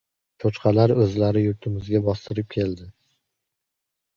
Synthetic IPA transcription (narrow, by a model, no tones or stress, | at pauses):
t͡ʃʰot͡ʃqʰɑlaɾɵzlaɾɪjʊɾt̪ʰɪmɪzɡʲabɒst̪ʰɪɾɪp̚kʲʰe̞ld̪ɪ